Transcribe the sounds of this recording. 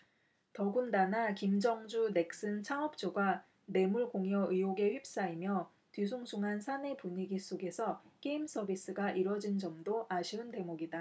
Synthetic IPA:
tʌɡundanakimd͡ʑʌŋd͡ʑune̞k̚s͈ɯnt͡ɕʰaŋʌp̚t͡ɕ͈oɡwa | ne̞muɭkoŋjʌɯjoɡe̞ɸɥip̚s͈aimjʌ | tɥisʰuŋsʰuŋɦansʰane̞puɲiɡis͈oɡe̞sʰʌk͈eims͈ʰʌbʱis͈ɯɡaʔiɾwʌd͡ʑind͡ʑʌmdoʔaɕʰiɯnte̞moɡida

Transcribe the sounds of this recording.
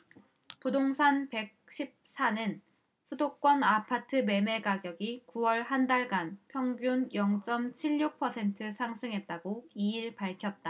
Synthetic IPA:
pudoŋsʰanpe̞k̚ɕ͈ʰip̚s͈ʰanɯn | sʰudok̚k͈wʌnapʰatʰɯme̞me̞ɡaɡjʌɡikuwʌɭhandaɭɡanpʰjʌŋɡjunjʌŋt͡ɕ͈ʌmt͡ɕʰiʎːuk̚pʰʌsʰe̞ntʰɯsʰaŋsʰɯŋɦe̞t̚t͈aɡoiiɭpaɭkʰjʌt̚t͈a

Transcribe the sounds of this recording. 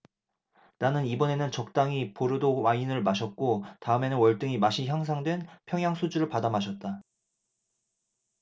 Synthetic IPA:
nanɯnibʌne̞nɯnt͡ɕʌk̚t͈aŋipoɾɯdowainɯɭmaɕʰʌt̚k͈otaɯme̞nɯnwʌɭt͈ɯŋimaɕʰiçjaŋs̬ʰaŋdwe̞npʰjʌŋjaŋsʰud͡ʑuɾɯɭpadamaɕʰʌt̚t͈a

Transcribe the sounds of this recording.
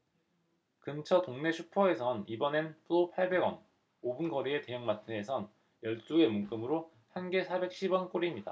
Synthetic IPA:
kɯnt͡ɕʰʌtoŋne̞t͡ɕʰupʰʌe̞sʰʌnibʌnenpʰuɾopʰaɭbe̞ɡwʌn | obunɡʌɾie̞te̞jɯŋmatʰɯne̞sʰʌn | jʌɭt͡ɕ͈ue̞munk͈ɯmɯɾo | hanɡe̞sʰabe̞k̚ɕ͈ʰibwʌnk͈oɾimɲida̰

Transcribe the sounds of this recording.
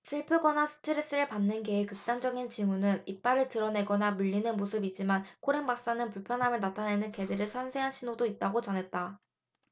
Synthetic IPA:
sʰiɭpʰɯɡʌnasʰɯ̥tʰɯɾis͈ɯɾɯɭpanːɯnɡe̞ekɯk̚t͈and͡ʑʌɡint͡ɕimunɯnip̚p͈aɾɯɭtɯɾʌne̞ɡʌnamuʎːinɯnmosʰɯbid͡ʑimankʰoɾe̞nbak̚s͈anɯnpuɭpʰjʌnɦamjɯnatʰane̞nɯnke̞deɾɯɭsʰʌnsʰe̞ɦanɕʰinodoit̚t͈aɡot͡ɕʌnɦe̞t̚t͈a

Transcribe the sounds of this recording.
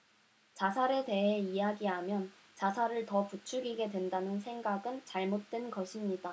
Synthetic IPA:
t͡ɕasʰaɾe̞de̞ɦe̞ijaɡiɦamjʌn | t͡ɕasʰaɾɯɭtʌput͡ɕʰuɡiɡe̞dwe̞ndanɯnsʰe̞ŋɡaɡɯnt͡ɕaɭmot̚t͈we̞nɡʌɕʰimɲida

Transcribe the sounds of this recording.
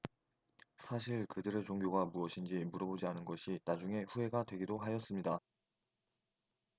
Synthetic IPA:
sʰaɕʰiɭkɯdɯɾɯɭt͡ɕoŋɡjoɡamuʌɕʰind͡ʑimuɾʌbod͡ʑianɯnɡʌɕʰinad͡ʑuŋe̞ɸue̞ɡadwe̞ɡidoɦaɕʌs͈ɯmɲida

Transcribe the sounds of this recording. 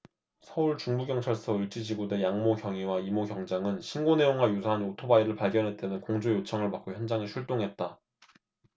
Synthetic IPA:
sʰʌuɭt͡ɕuŋbuɡjʌŋt͡ɕʰaɭs͈ʌɯɭt͡ɕ͈id͡ʑiɡude̞jaŋmoɡjʌŋiwaimoɡjʌŋd͡ʑaŋɯnɕʰinɡone̞joŋɡwajusʰaɦanotʰobaiɾɯɭpaɭɡjʌnɦe̞t͈e̞nɯnkoŋd͡ʑojot͡ɕʰʌŋɯɭpak͈oçjʌnd͡ʑaŋiɕʰuɭt͈oŋɦe̞t̚t͈a

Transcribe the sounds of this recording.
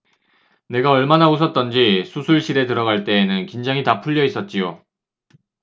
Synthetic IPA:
ne̞ɡaʌɭmanausʰʌt̚t͈ʌnd͡ʑisʰusʰuɭɕ͈iɾe̞tɯɾʌɡaɭt͈e̞ːnɯnkind͡ʑaŋɦitapʰuʎːʌis͈ʌt̚t͡ɕ͈io

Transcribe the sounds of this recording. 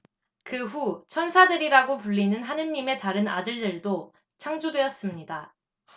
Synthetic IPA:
kɯɸut͡ɕʰʌnsʰadɯɾiɾaɡopuʎːinɯnɦanɯnːime̞taɾɯna̰dɯɭdɯɭdo | t͡ɕʰaŋd͡ʑudwe̞ʌs͈ɯmɲida

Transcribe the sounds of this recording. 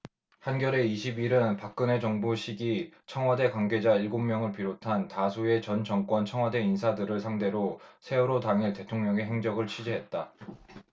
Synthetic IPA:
hanɡjʌɾe̞iɕʰibiɾɯnpak̚k͈ɯne̞t͡ɕʌŋbuɕʰiɡit͡ɕʰʌŋwʌde̞kwaŋɡe̞d͡ʑaiɭɡommːjʌŋɯɭpiɾotʰantasʰue̞t͡ɕʌnt͡ɕʌŋk͈wʌnt͡ɕʰʌŋwʌde̞insʰadɯɾɯɭsʰaŋde̞ɾosʰe̞uɾotaŋite̞tʰoŋɲʌŋe̞ɦe̞ŋd͡ʑʌɡɯɭt͡ɕʰid͡ʑiɦe̞t̚t͈a

